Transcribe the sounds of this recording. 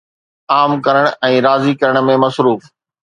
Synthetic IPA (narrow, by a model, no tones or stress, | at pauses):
aːmkɐɾəɽ̃ɛ̃ːɾaːzikɐɾəɽ̃̆mẽmɐsɾuːf